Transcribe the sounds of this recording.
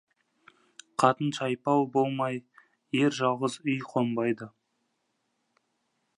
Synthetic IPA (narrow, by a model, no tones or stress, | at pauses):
qʰɑt̪ənʃɑjpɑwbo̞lˠmɑj | eɾʒɑlˠʁəzʏjqʰombɑjd̪ə